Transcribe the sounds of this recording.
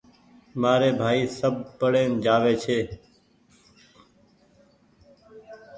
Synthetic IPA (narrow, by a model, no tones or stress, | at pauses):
maːɾeːbʱaːiːsəb̚pəɽeːnd͡ʒaːʋeːt͡ʃʰeː